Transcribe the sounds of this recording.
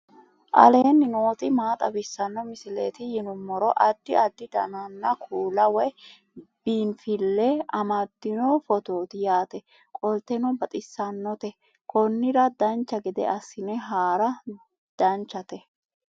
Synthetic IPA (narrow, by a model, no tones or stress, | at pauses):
ʔɐ̰le̞ːnːɪnoːt̪ɪmaːt̪ʼɐbɪsːɐnːɔmɪsɪleːt̪ɪjɪnʊmːɔɾɔʔɐd̪ːɪɐd̪ːɪd̪ɐ̰nɐnːɐkʰuːlɐwɔj | b̥iːnfɪlːɛɐmɐd̪ːɪnɔfɔt̪o̞ːt̪ɪjaːt̪ɛ | kʼɔlt̪ɛnɔbɐt̪ʼɪsːɐnːɔt̪ɛ | kɔnːɪɾɐd̪ɐnt͡ʃːɐɡɛd̪ɛ̰ɐsːɪnɛɦaːɾɐ | d̪̥ɐnt͡ʃːɐt̪ɛ